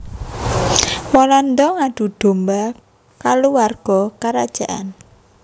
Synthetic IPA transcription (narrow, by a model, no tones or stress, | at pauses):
wɔland̪ɔŋaɖ̪̥ṳd̪̥o̤mba | kaluwarɡ̥ɔ̤kaɾad̥ʒ̥a̤ʔa̰n